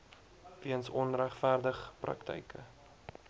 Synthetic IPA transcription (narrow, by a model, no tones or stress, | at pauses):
viənsɔnræχfærdəχprɐ̰ktʰə̰jkʰə̰